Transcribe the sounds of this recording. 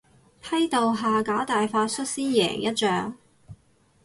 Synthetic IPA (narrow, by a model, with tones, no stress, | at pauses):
pʰɐ˥jt̪o˨wɦaː˨˩kaː˨˥t̪aː˨jfaː˧˥t̚sɵ˥t̚siː˥njɛ̰ː˨˩ŋjɐ˥t̚t͡ʃœː˨˥ŋ